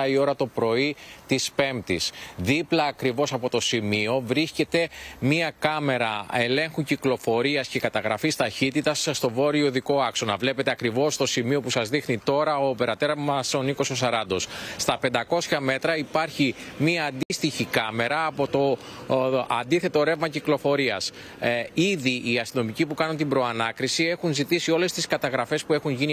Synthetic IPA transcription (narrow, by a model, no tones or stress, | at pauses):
ɐio̞ɾɐt̪o̞pɾo̞it̪ispe̞mt̪isðiplɐːkɾivo̞sɐpo̞t̪o̞simio̞vɾisce̞t̪e̞miɐkɐme̞ɾɐe̞le̞ŋxuciklo̞fo̞ɾiɐsce̞kɐt̪ɐɣɾɐfist̪ɐçit̪it̪ɐsːt̪o̞vo̞ɾio̞ðiko̞ɐkso̞nɐvle̞pe̞t̪eɐkɾivo̞st̪o̞simio̞pusɐzðixnit̪o̞ɾɐopeɾɐt̪e̞ɾɐmɐso̞niko̞so̞sɐɾɐnd̪o̞sst̪ɐpe̞nd̪ɐko̞sçɐme̞t̪ɾɐipɐɾçimiɐːnd̪ist̪içikɐme̞ɾɐːpo̞t̪o̞ | ɐnd̪iθe̞t̪o̞ɾe̞vmɐciklo̞fo̞ɾiɐs | iðiʔːɐst̪ino̞micipukɐnunt̪ibɾo̞ɐnɐkɾisie̞xunzit̪isio̞le̞st̪iskɐt̪ɐɣɾɐfe̞spue̞xuɲʝini